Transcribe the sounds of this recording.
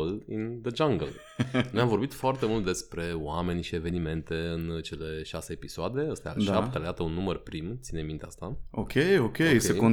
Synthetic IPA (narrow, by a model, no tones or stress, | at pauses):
lḭnd̪əd͡ʒaŋɡəl | nojamvo̞rbit̪foart̪e̞mult̪̚d̪e̞spɾe̞owame̞nʲʃie̞ve̞nime̞nt̪e̞ɨnt͡ʃe̞le̞ʃase̞ːpisoad̪e̞əst̪ea̰lʃat̪aled̪at̪əunːumərpɾimt̪sinemint̪ea̰st̪aokʲejokʲejsejkon